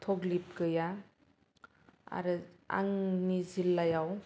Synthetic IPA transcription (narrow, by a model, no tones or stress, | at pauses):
tʰoɡlip̚kɯja | a̰ɾɯa̰ŋnizilːajaw